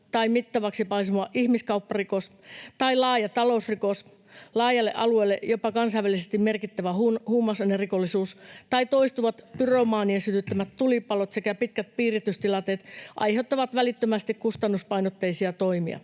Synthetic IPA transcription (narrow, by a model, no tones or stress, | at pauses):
t̪ɑimit̪ːɑʋɑksipɑisumoɑʔʔihmiskɑuwpːɑrikos | t̪ɑilɑːjɑt̪ɑlousrikos | lɑːjɑlːeʔɑluelːḛjopɑkɑnsɑiʋælːˑisest̪immerkit̪ːæʋæhuhuːmɑsɑnerikolːisuːst̪ɑit̪oist̪uʋɑt̪pyromɑːniesyt̪yt̪ːømæt̪t̪ulipɑlot̪sekæpit̪kæt̪̚piːrit̪yst̪ilɑt̪et̪ʔɑ̰jheut̪ːɑʋɑt̪ʋælit̪ːømæst̪ikkust̪ɑnːuspɑinot̪ːeisiɑt̪oimḭɑ̰